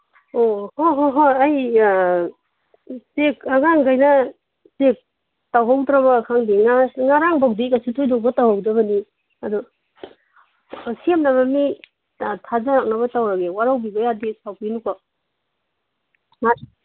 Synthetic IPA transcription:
ohoɦoɦoaj | sekaɡaŋɡajnɐ | zek̚ | tawɦawdɾɐβɐkʰaŋdiŋaŋaɾaŋbawdikasʰitʰojdowbɐtawhawdɐbɐni | adu | siemnaβami | tʰazaɾak̚naβɐtawɾaɡewaɾawbibɐjadisawpinuka | ŋa

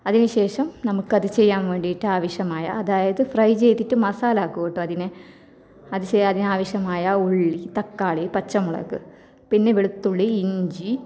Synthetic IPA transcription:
ɐðinɨɕe̞ːʂɐmnɐmukːɐðɨt͡ɕe̞jːaːnʋe̞ːɳɖiiʈːɨaːʋɐɕjɐmaːjɐ̰ːðaːjɐðɨfrɐjt͡ɕe̞jt̪ːiʈːɨmɐsaːlaːkːuɣiʈːɨɐðinɨ | ɐðɨt͡ɕeɐðinɨaːʋɐɕjɐmaːjɐoɭɭːit̪ɐkːaːɭipɐt͡ɕːɐmuɭɐ̰ɣɨ̰ | pinːe̞ʋeɭut̪ːuɭːiiɲd͡ʑi

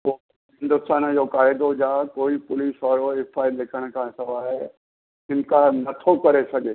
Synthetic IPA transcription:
oː | ɦɪɪ̃nd̪ʊst̪aːnd͡ʑokaːɪd̪od͡ʑaːkoːipʊliːsʋaːɾoɪfʰaːɪlɪkʰəɽ̃kʰãsɐʋaːɦe | ɦɪnkanɐt̪ʰokɐɾesɐɡʱeː

